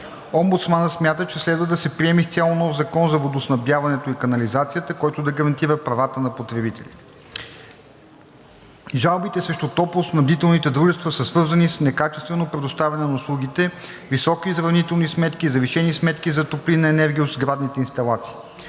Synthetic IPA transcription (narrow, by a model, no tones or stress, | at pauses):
ɔmbut̪smanəsmʲjat̪ət͡ʃɛslɛd̪vəd̪ɐsɛpɾiɛmift̪sʲjalˠonɔfzɐkɔnzɐvod̪osnɐbjavɐnɛt̪oikɐnɐlizat̪sijət̪əkɔjt̪ʊd̪ɐɡɐɾɐnt̪iɾəpɾɐvat̪ənɐpot̪ɾɛbit̪ɛlʲit̪ɛ̥ | ʒalˠbit̪ɛsɾɛʃt̪ot̪ɔplˠʊsnɐbd̪it̪ɛlˠnit̪ɛd̪ɾuʒɛst̪vɐsəsvɤɾzɐnisnɛkat͡ʃɛst̪vɛnopɾɛd̪ʊst̪avɛnɛnɐʊslˠuɡ̟it̪ɛ | visɔkizɾɐvnit̪ɛlˠnismɛt̪kʲizɐviʃɛnismɛt̪k̟izɐt̪oplinɐɛnɛɾɡʲiot̪zɡɾad̪nit̪ɛinst̪ɐlˠat̪si̥ː